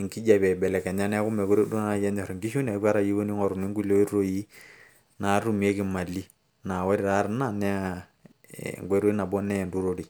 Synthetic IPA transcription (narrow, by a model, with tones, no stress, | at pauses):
ŋki˦d͡ʒa˨bɛ˨bɛ˨lɛ˨kɛ˨ɲa˦nɛ˦a˦ku˦mɛ˨ku˦ɾi˦du˦na˨ja˦ɲa˨ɾɔ˨ŋɡi˦ʃu˦n˨a˨˦ka˦ɾa˦˨ji˦ko˦ni˦ŋɔ˨ɾu˨mi˦ŋɡu˦lo˦i˦ɾo˦ji˦ | na˨˦ɾu˦˨mi˨e˦ki˦˨ma˨li˦ | na˨wɛ˦ɾi˨ɾa˦ɾna˦˨nɛ˦a˦˨ | ŋɡɾo˦i˦na˨bɔ˦nɛ˦˨ndu˦ɾo˦ɾi˨